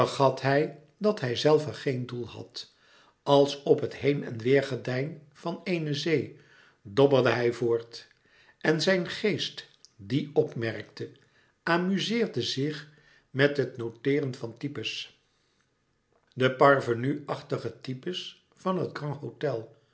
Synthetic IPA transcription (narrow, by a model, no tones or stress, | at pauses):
ərχɑtɦɛj | dɑtɦɛjzɛlˠvəχejndulˠhɑ̰t | ɑlˠsɔpɦətɦejnɛ̰nʋɪːɹχədɛjn | v̥ɑnejnəzej | dɔbərdəɦɛjvʊːɹt | ʔɛnzɛjnχejst | diɔpmɛrk̚tə | ʔaːmyzɪːɹdəzɪχ | mɛtɦətnowtɪːrənvɑntipəs | dəpɑɹvənyɑχtəχətipəs | fɑnɦətɡrɑnɦotɛlˠ